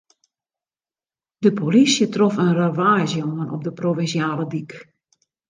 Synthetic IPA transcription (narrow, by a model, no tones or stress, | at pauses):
dəpʰolisjətrɔfənravaːzjoanɔ̰p̚dəprovɪnsjaːlədik